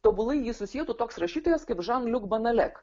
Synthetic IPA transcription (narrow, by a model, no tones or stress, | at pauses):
t̪oːbʊlˠɐɪjiːsʊsʲijɛt̪uːt̪oːksɾɐʃʲiːt̪oːjɛskɐɪpʒɑnlʲʊkbɐnɐlʲɛk